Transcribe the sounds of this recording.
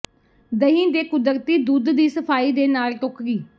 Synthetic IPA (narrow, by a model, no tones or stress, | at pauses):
d̪əɦĩːd̪eːkʊd̪əɾt̪iːd̪uːd̪d̪iːsəpʰaːiːd̪eːnaːlʈokɡiː